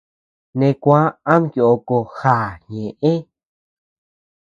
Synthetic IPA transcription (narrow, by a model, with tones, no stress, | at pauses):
nẽ˧kʷã˦a˦m˦kjo˨o˧ko˧xa˨ɲẽ˨ʔẽ˦